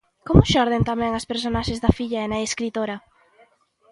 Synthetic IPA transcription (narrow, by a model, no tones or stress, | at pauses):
komʊʃɔɾð̞ent̪amɛŋɐspeɾsonaʃezðɐfiʎɐenɐeskɾit̪oɾɐ